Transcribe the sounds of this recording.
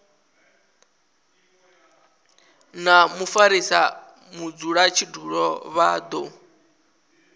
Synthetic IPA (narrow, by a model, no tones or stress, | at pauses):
namufaɾisa | mud͡zuɺat͡ʃʰiduɺɔβad̪ɔ